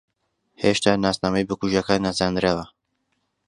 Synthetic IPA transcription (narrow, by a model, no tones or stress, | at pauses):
heʃt̪aːnaːsnaːmɛjibɨkuʒakanːazand̪ɾewɐ